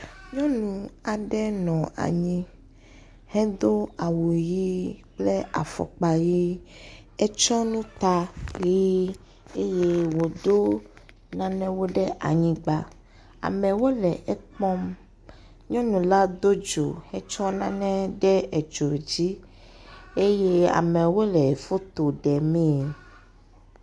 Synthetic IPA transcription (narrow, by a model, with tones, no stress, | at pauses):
ɲɔ̃˦nũ˨a˨ɖɛ˦nɔ̃˨a̰˨ɲĩ˦ | hɛ̃˦d̪o˦a˨wu˨ji˦k͡ple˦a̰˨fɔ̰˨k͡pa˨ji˦ | ɛ˦t͡ʃɔ˦nũ˦t̪a˦li˦ | e˦je˦wo˨d̪o˦ | nã˦nɛ̃˦wo˦ɖɛ˦ʔa̰˨ɲĩ˦ɡ͡ba˦ | a̰˨mɛ̃˨wo˦lɛ˨ɛ˦k͡pɔ˦m | ɲɔ̃˦nũ˨la˦d̪o˦d͡ʒo̰˨ɛ˦t͡ʃɔ˦nã˦nɛ̃˦ɖɛ˦e˨d͡ʒo˨d͡ʑi˦ | e˦je˦a̰˨mɛ̃˨wo˦lɛ˨fo˦t̪o˨ɖɛ˨mẽ˦˨